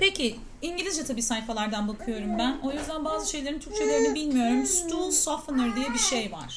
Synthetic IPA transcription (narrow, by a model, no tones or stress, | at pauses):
pecʰɪ | iɲɟilʲizd͡ʒɛt̪ʰabiːsaːjifalˠaɾd̪anbakʰɯjo̞ɾumbæno̞jyzd̪ænbaːzɯʃe̞jlʲeɾint̪ʰyɾ̚t͡ʃʰelʲˠeɾɯnɯbilʲmijo̞ɾumst̪ʰulˠsofɯnɯɾd̪ijɛbiʃejva̰ɾ̥